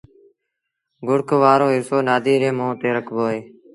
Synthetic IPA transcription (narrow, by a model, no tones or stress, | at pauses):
ɡʊɽkʰʋaːɾõːɦɪsoːnaːd̪iːɾẽːmõːt̪eːɾəkʰboːɦeː